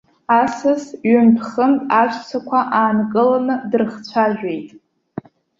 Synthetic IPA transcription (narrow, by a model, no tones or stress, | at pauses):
asɨsɥʏnpʰχəmtʼaʃʷʼt͡sʷʰakʷʰaʔaːnkʼɨlanɨdrχt͡sʷʰaʒᶣe̞jtʼ